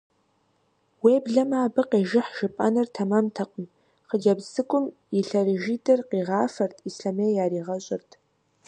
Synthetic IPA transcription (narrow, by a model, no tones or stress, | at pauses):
weːbɮɐmaːbɨqeːʒɪħʒ̥ɨpʼa̰nɨrtʰɐmamtʰɐqʼən | χəd͡ʒabzɨkʷʼʊm | iɬɐrɪʒiːdʰʼɐrqiːʁɑːfɐrtʰʼisɬameːjaːɾiːʁɐɕʼɪrtʰ